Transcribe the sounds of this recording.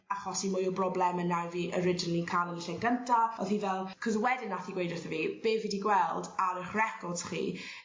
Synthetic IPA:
aχɔsimʊjɔbrɔblˠɛmənːaviːʔəɾɪd͡ʒɪnəlˠikʰalˠəniɬɛɡəntʰaɔðhivɛlˠkʰɔzwɛdɪnːaθiɡwejdɪθəviːb̥eːvidiɡwɛlˠdaɾɪχrɛkɔrd̥χḭː

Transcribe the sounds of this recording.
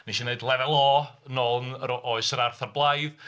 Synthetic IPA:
niʃineɨdlˠɛvɛlˠɔːnɔlˠnəɾʔɔɨsəɾarθarblˠajð

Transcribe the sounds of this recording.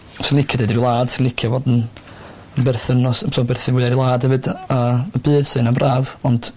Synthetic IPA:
sɪnlˠɪkʰjɛdedɾilˠaːd̥sɪnlɪkʰjavɔːdn̩ | əbɛrθənɔssɔːbɛrθɪwɪːaɾilˠaːd̥hɛvɨdaəbɨːd̥sɨnambrʔaːvɔnd̥

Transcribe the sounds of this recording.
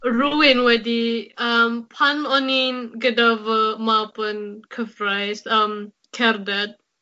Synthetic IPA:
ɹuwɛ̃nwɛdiampʰãnɔnĩnɡədavəmapə̃nkʰəfɹajsam | kʰɛɾdɛt̚

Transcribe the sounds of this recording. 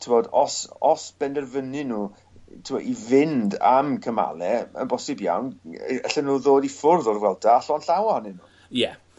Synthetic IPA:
tʰɪmɔdɔsɔsb̥ɛndɛrvənɨnuː | tʰɪmɔdivɪnda̰mkʰəma̰lˠɛə̰nbɔsɨbja̰wnə̰ɬənuːðoːdifʊrðɔrwɛlˠdaːɬɔnɬawanɪnu | jɛ

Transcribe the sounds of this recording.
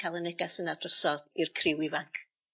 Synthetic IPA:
kʰalˠənɛɡasənadrɔsɔðirkʰrɪwɪvaŋkʰ

